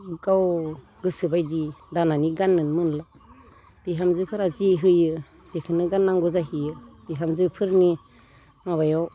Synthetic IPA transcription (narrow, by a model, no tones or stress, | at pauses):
ɡaw | ɡɯsɯbajdidananiɡanːɯnmɯnla | b̥iɦamzɯpʰɯɾaziɦɯjɯ | b̥ekʰɯnɯɡanːaŋɡuzaɦiɯb̥iɦamzɯpʰɯɾni | mabajɔw